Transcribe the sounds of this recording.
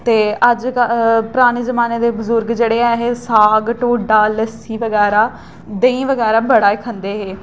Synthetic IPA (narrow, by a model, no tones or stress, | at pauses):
t̪eːəd͡ʒpɾaːñiːzəmaːneːd̪eːbʊzʊɾɡd͡ʒeːɽeːɛːɦeːsaːɡʈoːɖaːləsiːʋəɡɛːɾaː | d̪eĩːʋəɡɛːɾaːbəɽaːekʰə̃nd̪eːɦeː